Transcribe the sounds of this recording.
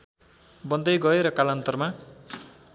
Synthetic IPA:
bʌnd̪ʌjɡʌeɾʌkalʌnt̪ʌrma

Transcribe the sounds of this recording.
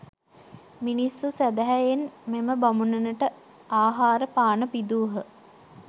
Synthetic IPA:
minisːusæd̪æɦæjenmeməbamunənəʈə | aːɦaːɾəpaːnəpid̪uːɦə

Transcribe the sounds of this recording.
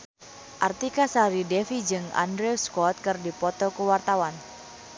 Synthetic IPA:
ʔart̪ikasaɾidɛfid͡ʒɨŋa̰ndɾɛskɔt̪̚kɨrdipɔt̪ɔkuwart̪awan

